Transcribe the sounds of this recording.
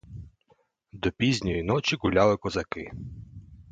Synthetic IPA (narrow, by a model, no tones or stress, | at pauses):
d̪ɔpʲizʲnʲɔjinɔt͡ʃʲiɡʊlʲalˠɪkɔzɐkɪ